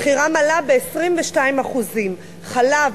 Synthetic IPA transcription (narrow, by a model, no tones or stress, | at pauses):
χiʁamalabeːsʁimveʃtaimaχuzim | χalav